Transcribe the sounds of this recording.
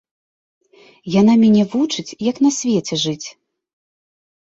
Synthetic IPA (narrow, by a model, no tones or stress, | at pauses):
janamʲɛnʲɛvut͡ʂɨt͡sʲjɐkn̪ɐsʲvʲɛt͡sʲɛʐɨt͡sʲ